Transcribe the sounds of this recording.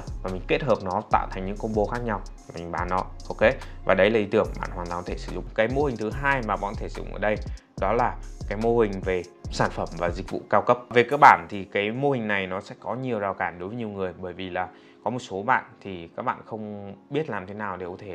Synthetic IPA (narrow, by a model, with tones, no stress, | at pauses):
vaː˨˩mï˨˩ŋ̟ke˦˥t̚həː˨˩p̚nɔ˨˦t̪a̰ː˧˨t̪ʰŋ̟ɲɨ̰˧˥ŋkə˧wŋ͡mɓo˨˦xaː˦˥k̚ɲa˧wi˨˩ŋ̟ɓaː˨˦nːɔ˨˦ʔo˧wke˨˦ | vaː˨˩ɗə˨˦jlaː˨˩ʔi˨˦t̪ɨ˧˩əŋ˧ɓa̰ː˧˨nhwaː˨˩t̪a˨˩˨t̪ʰe˧˩sɨ̥˧˩zʊ̰˧˨ŋ͡mkaː˨˦jmo˧hï˨˩ŋ̟t̪ʰɨ˨˦ɦaː˧jmaː˨˩ɓa̰˧˨nt̪ʰe˧˩ɨ̥̰˧˩z̰ʔəː˧˩ɗə˧j | ɗɔ˨˦laː˨˩kaː˨˦jmo˧hï˨˩ŋ̟ve˨˩saː˧˩nfə˧˩mvaː˨˩zï˨˩k̟̚vṵ˧˨kaː˧wkə˦˥p̚ve˨˩kaː˦˥k̚ɓaː˧˩nt̪ʰi˨˩kaː˨˦jmo˧hï˨˩ŋ̟na˨˩jnɔ˨˦sɛ̰˧˥kɔ˨˦ɲi˨˩əwzaː˨˩wkaː˧˩nɗo˨˦jvə˨˦ɲi˨˩əwŋɨ˨˩əjɓəː˧˩jvi˨˩laː˨˩ | kɔ˨˦mo˨˩t̚so˨˦ɓa̰ː˧˨nt̪ʰi˨˩kaː˦˥k̚ɓa̰ː˧˨xə˧wŋ͡mɓi˦˥ət̚laː˨˩mt̪ʰe˨˦naː˨˩wɗe˨˩ko˨˦t̪ʰe˧˩